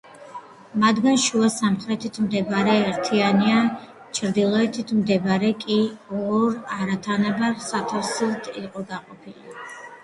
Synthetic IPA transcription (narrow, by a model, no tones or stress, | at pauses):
mad̪ɡanʃuasamχɾɛt̪ʰit̪ʰmd̪ɛbaɾɛːɾt̪ʰiania | t͡ʃʰɾd̪ilˠɔɛt̪ʰit̪ʰmd̪ɛbaɾɛkʼiɔɾaɾat̪ʰanɛbaɾsat̪ʰafsit̪ʰiqʼɔɡaqʼɔpʰili